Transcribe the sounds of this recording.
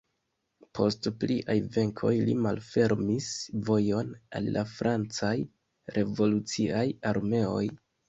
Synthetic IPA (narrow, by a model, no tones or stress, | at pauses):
pʰo̞stpliʔajve̞ŋkʰo̞jlimalfe̞ɾmisvo̞jo̞na̰lːafɾʔant͡saj | ɾʔe̞vo̞lut͡siajaɾme̞o̞j